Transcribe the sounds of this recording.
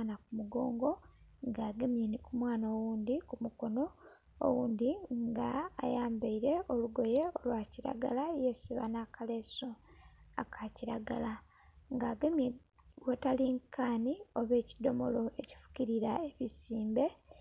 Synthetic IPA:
nakumuɡo̞ːŋɡo̞ŋɡaːɡemjeːnikumwaːnawuːnd̪ikumuko̞no̞̰ː | wuːnd̪iŋɡaːjaːmbaiɾe̞ʔoluɡo̞je̞olwaːciɾa̰ɡa̰laje̞ːsiβa̰nakale̞soa̰kʰaciɾaɡala | ŋɡaːɡeme | wetaliŋkʰaːnio̞βe̞ːcido̞mo̞̰lo̞eci̥fu̥ciɾiɾaeβisiːmbe̞

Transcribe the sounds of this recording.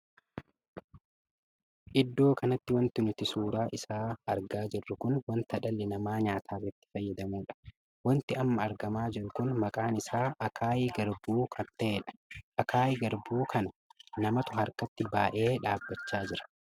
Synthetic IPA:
ʔɪd̪ːo̞ːkʰɐnɐt̪ːɪwɐnt̪ɪnʊt̪ɪsuːɾaːʔɪsaːɐɾɡaːd͡ʒɪrːʊkʊnwɐnt̪ɐᶑɐlːɛnɐmaːɲaːt̪ʰaːrɛt̪ːɪ̥fɐjːɐd̪ɐmuːᶑɐ̥ | wɐnt̪ɪɐmːɐːɾɡɐmaːd͡ʒɪɾʊkʊnmɐkʼaːnɪsaːʔɐkʰaːjiɡɐɾbuːkʰɐt̪ːeeːᶑɐ̥ʔɐkʰaːjɡɐɾbuːkɐnɐnɐmɐt̪ʊhɐɾkɐt̪ːɪbaːʔe̞ːᶑaːbːɐt͡ʃːaːd͡ʒɪɾɐ̥

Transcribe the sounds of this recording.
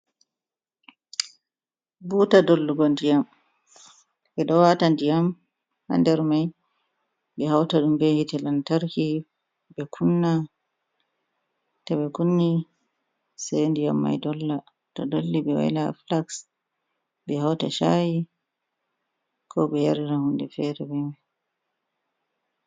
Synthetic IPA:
buːtadolːuɡɔndijam | ʔɛɗɔwatandijam | ha̰ndɛɾmaj | bɛhawtaɗumbɛhitɛlantaɾki | bɛkʰunːa | taɓɛkunːi | sendijamːa̰jdɔlːa | tɔdolːiɓɛwa̰jla̰flaks | bɛhawta̰ʃaji | kʰɔɓɛjaɾiɾahundɛ̰fɛɾɛbɛm

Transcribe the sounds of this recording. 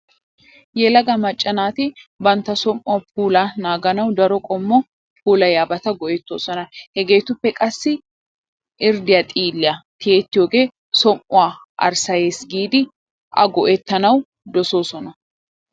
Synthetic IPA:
jɛlɐɡɐmɐt͡ʃʼːɐnaːt̪ɪbɐnt̪ːɐsɔmʔʊwɐp̚ʰuːlanaːɡɐnɐwd̪ɐɾɔkʼɔmːɔ | pʰuːlɐjaːbɐt̪ɐɡɔʔɛt̪ːoːsɔnɐhɛɡe̞ːt̪ʊpːɛkʼɐsːɪ | ʔɪɾd̪ɪjɐt̪ʼiːlːɪɐt̪ɪeːt̪ːɪjoːɡeː | sɔmʔʊwaː | ʔɐ̰ɾsɐjeːsɡiːd̪ɪ | ɐ̰ɡɔʔɛt̪ːɐnɐw | d̪ɔso̞ːsɔnɐ

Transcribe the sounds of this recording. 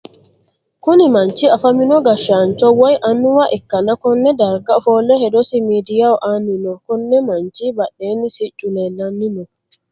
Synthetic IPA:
kunimaɲt͡ʃiafaminɔɡaʃant͡ʃɔwajʔanːuwaʔɛkːanakɔnːɛdaɾɡafɔlɛhɛdɔsimidijawɔʔaninɔkɔnːɛmant͡ʃibaɗːɛnisit͡ʃʼːunɛlanːinɔ

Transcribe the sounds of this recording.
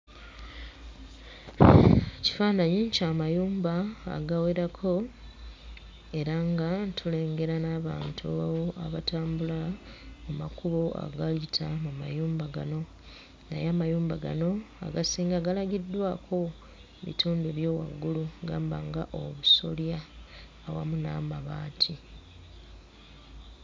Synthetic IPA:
ci̥faːnaɲiɲcaːmajuːmba̰ːɡaweɾakʰo̞ | e̞ɾaŋɡatʰule̞ːŋɡe̞ɾanaːβa̰ːntʰuawoa̰βataːmbulamuma̰kuβo̞a̰ɡalitʰamumajuːmbaɡano̞ | na̰jaːmajuːmbaɡa̰no̞a̰ɡasiːŋɡaɡalaɡidːwaːkʰo̞ | βḭtuːndeβjo̞ːwa̰ɡːuluɡaːmba̰ŋɡa̰ʔo̞̰βuso̞̰ljaː | wa̰muna̰ːmaβaːtʰi

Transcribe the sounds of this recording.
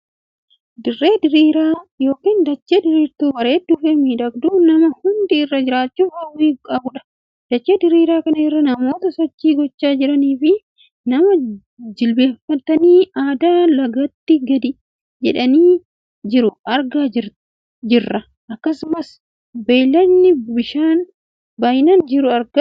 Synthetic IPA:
d̪ɪrːe̞ːd̪ɪɾiːɾaːjo̞ːkiːnd̪ɐt͡ʃːeːd̪ɪɾiːɾt̪uːwɐɾe̞ːd̪ʊfemiːᶑɐɡd̪uːnɐmɐhʊnd̪ɪɪrːɐd͡ʒɪɾaːt͡ʃːuːfɐwiːkʼɐbʊᶑɐ̥ | d̪̥ɐt͡ʃːeːd̪ɪɾiːɾaːkɐnɐrːɐnɐmo̞ːt̪ɐsɔt͡ʃːiːɡɔt͡ʃːaːd͡ʒɪɾɐniːfɪ | nɐmɐ | d͡ʒɪlbe̞ːfɐt̪ːɐniːaːd̪aːlɐɡɐt̪ːɪɡɐd̪ɪ | d͡ʒɛᶑɐniː | d͡ʒɪɾʊʔɐɾɡaːɪ | d͡ʒɪrːɐ | ʔɐkːɐsʊmɐs | beːjlɐnːɪbɪʃaːn | baːjɪnɐnd͡ʒɪɾʊɐɾɡɐ

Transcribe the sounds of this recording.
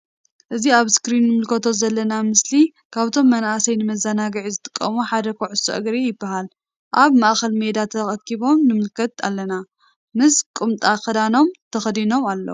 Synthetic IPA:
ʔɨziaβskɾinːɨmɨlkʰɐt̪ʰo̞zɐlːɐnamɨsli | kʰaβt̪ʰo̞mːɐnaʔasɐjnɨmɐzːanaɡɨʕizɨt̪ʼɨ̥kʼːɐmuħad̪ɐkʰoʕʊsːo̰ʔɐ̰ɡɾijɪbːahal | ʔaβmaʔxɐlme̞d̪at̪ʰɐxʼɐkʰːiβo̞mnɨmɨlkʰɐt̪a̰lːɐna | mɨskʼɨmt̪ʼaxɐd̪ano̞mt̪ʰɐxd̪ino̞malːo̰

